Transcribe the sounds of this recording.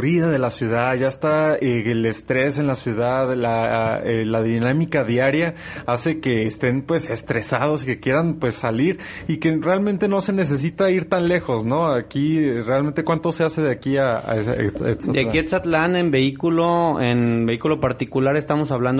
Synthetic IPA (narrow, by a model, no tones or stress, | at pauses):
riðaðe̞lasjuðaðʝaest̪aeelest̪ɾe̞se̞nlasjuðaðlaelaðinamikaðjaɾja | ase̞ke̞ːst̪e̞npwe̞se̞st̪ɾe̞saðo̞sikekje̞ɾanpwe̞sːaliɾ | ike̞realmẽnt̪e̞no̞se̞ne̞s̬e̞s̬it̪aiɾt̪anle̞xo̞sno̞akirealment̪ekwant̪o̞se̞ase̞ðeakia̰ḛesd̪akiet̪sat̪lanembe̞ikuloenbe̞ikulo̞paɾt̪ikulaɾe̞st̪amo̞saβland̪